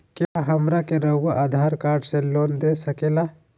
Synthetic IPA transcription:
kjaɦɐmɾakeɾəaʔad̪ʱaɾkaːɾɖselond̪esɐkela

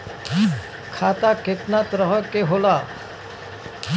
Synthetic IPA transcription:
kʰaːt̪akɪt̪nat̪ɾəɦəkeɦoːlaː

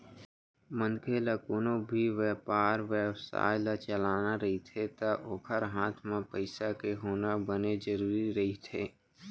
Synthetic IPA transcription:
mə̃nkʰeləkoːnõbʱiʋɛːpaːɾʋewsa̰ːjlat͡ʃəlaːnaɾɐɦit̪ʰet̪ɐʔoːkʰəɾɦaːt̪ʰmẽpəɪsakeɦoːnabəned͡ʒəɾuːɾiɾɐɦit̪ʰeː

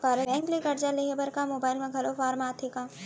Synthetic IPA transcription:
kaːɾɛ̃ːŋklikɐɾd͡ʒaleɦebɐɾkamoːbaːɪlmẽɡʱɐlofʰaːɾmaːt̪ʰekãː

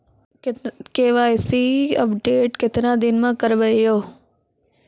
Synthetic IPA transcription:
keːʋaːjsiɐ̰pɖeːʈkɪt̪nad̪ɪnmãkəɾʋəijoː

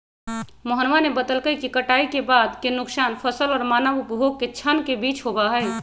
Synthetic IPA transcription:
məɦənʋanebəd̪əlkəjkikəʈaikebad̪kenuksanpʰəsəlɔːɾmanəbupbʱoɡ̚ket͡ʃʰənkebit͡ʃɦobaɦəj

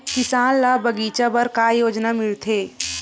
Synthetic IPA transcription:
kɪsaːllaːbɐɡiːt͡ʃabɐɾkaːjoːd͡ʒnamɪlt̪ʰeː

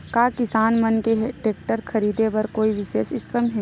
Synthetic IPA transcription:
kaːkɪsaːnmɐnkeʈeːk̚ʈəɾkʰɐɾiːd̪ebɐɾkoːiʋɪʃeːʃɪskəmɦɛ̃

